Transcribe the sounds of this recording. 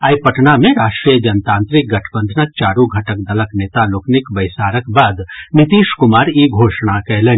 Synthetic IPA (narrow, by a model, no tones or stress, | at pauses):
aːjpɐʈnamẽɾaːʃʈɾijəd͡ʒɐnt̪ãːnt̪ɾɪk̚ɡɐʈʰbə̃nd̪ʱnək̚t͡ʃaːɾuɡʱɐʈək̚d̪ɐləkneːt̪aloːknɪkbɐɪsaːɾəkbaːd̪nɪt̪iːʃkʊmaːɾiɡʱoːʃɽ̃akɛɦleː